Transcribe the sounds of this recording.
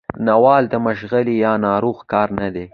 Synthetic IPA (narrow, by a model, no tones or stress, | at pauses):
nawɑld̪əməʃɣəlijɑnɑɾoɣkɑɾnad̪e